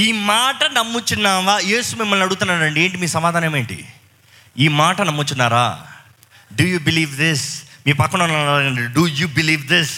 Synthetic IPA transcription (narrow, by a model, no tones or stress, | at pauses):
iːmaːʈɐnɐmːut͡ʃinːaːʋaːje̞ːsumimːɐlnɐɽuɡut̪unːaːɾɐɳɖie̞ːɳʈ̬imiːsɐmaːd̪aːneːmeːɳʈḭ | iːmaːʈɐnɐmːut͡ʃunːaːɾa̰ː | ɖujuːbiliːʋd̪ismiːpɐkːɐɳnːaaɐɳɖiɖujubiliːʋd̪is